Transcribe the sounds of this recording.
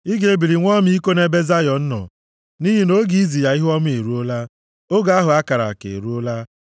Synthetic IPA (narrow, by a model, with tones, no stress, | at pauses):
i˦ɡe˨e˦bi˨ɾi˨ŋʷɔ˦m˦i˦ko˦ne˦be˦za˦jɔ˨n̩˦nɔ̰˨ | ni˦ɦi˨no˦ɡi˦i˦zi˨ja˨i˦ɦɔ˦m˦e˨ɾu˦o˦la˦ | o˦ɡa˨˦a˦ɦʊ˨a˦ka˨ɾa̰˨kḛ˨ɾu˦o˦la˦